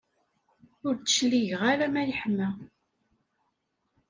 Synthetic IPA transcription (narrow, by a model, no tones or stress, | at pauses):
ʊɾt͡sə̥ʃliʝʁaɾæmæjəħmæ